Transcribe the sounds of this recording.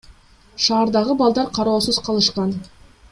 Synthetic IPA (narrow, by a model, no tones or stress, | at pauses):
ʃɑːɾd̪ɑʁəbɑlˠd̪ɑɾqʰɑɾɑwsəzqʰɑlˠəʃqɑn